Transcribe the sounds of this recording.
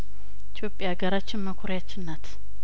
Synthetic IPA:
it̪ʰjo̞pʼjaɡəɾat͡ʃːɪnməkʰoɾjat͡ʃːɪnːət̪

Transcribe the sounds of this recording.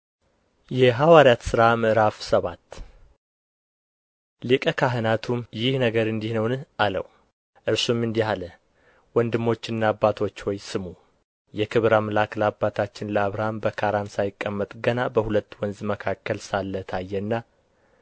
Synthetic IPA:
jɛɦawaɾjat̪sɨɾamɨɾafsəβat̪ː | lɨkʼəkʰaɦɨnat̪ʰumjɪhnəɡəɾɨnd̪ihnəwnɨalə̰w | ʔɨɾsumɨnd̪ihalə | wɔnd̪ɨmːo̞t͡ʃːɨnːaːbːat̪ʰo̞t͡ʃːwɔjsɨmu | jɛkʰɨβɾaməlakəlabːat̪ʰat͡ʃːɪnləaβɾambəkʰaɾansajɪkʼːəmːət̪ʼɡənabəhulət̪ːwɔnzməkʰakːəlsalːət̪ʰajːɛnːa

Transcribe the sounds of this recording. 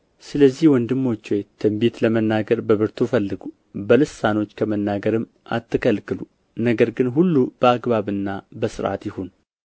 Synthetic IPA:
sɨləzːihwɔnd̪ɨmːo̞t͡ʃːwejt̪ʰɨmbet̪ləmənːaɡəɾbəβɨɾt̪ʰufəlːɨɡu | bəlɨsano̞t͡ʃːkʰəmənːaɡəɾɨmː | ʔa̰t̪ːɨkʰəlkɨlu | nəɡəɾɡɨnɦulːub̥əaɡβaβɨnːabəsɨɾʔa̰t̪jɪho̞n

